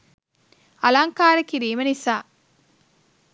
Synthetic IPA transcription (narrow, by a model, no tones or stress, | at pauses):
ɐlaŋkaːɾɐkiɾiːmɐnisaː